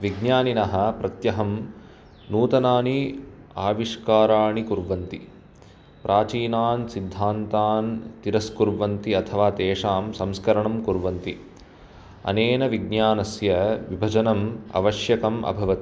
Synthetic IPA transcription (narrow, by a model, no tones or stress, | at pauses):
ʋiɡnjaːninɐɦɐ̆pɾɐt̪jɐɦɐm | nuːt̪ɐnaːniaːʋiʂkaːɾaːɳikuɾʋɐnt̪i | pɾʔaːt͡ʃiːnaːnsid̪ʱːaːnt̪aːnt̪iɾɐskuɾʋɐnt̪iɐt̪ʰɐʋaːt̪eːʂaːmsɐmskɐɾɐɳɐmkuɾʋɐnt̪i | ɐ̰neːnɐʋiɡ̚njaːnɐsjɐʋibʱɐd͡ʒɐnɐmɐ̰ʋɐʃjɐkɐmɐ̰bʱɐʋɐt̪i̥